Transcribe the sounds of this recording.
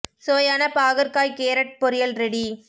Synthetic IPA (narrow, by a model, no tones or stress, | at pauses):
soːjɐːnɐpaːɣɐɾkaːjkeːɾɐʈ̚pɔɾɪjɐlɾɛɽi